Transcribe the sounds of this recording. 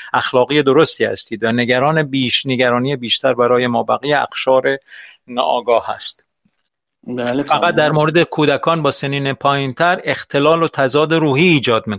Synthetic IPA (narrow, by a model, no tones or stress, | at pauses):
æxlɒːɣiːed̪o̞ɾo̞st̪iːhæ̰st̪iːd̪væne̞ɡæɾɒːnebiːʃneɡæɾɒːnijebiːʃt̪ʰæɾbæɾɒːje̞mɒːbæɣiːeæ̰xʃɒːɾe̞nɒ̰ːʔɒːɡɒːhæ̰st̪ | lfæɣæt̪̚d̪æɾmoɾed̪ekʰuːd̪ækʰɒːnbɒːseniːnepʰɒːjint̪ʰæɾe̞xt̪ʰe̞lɒːlot̪ʰæzɒːd̪e̞ɾuːhiːd͡ʒɒːd̪̚miː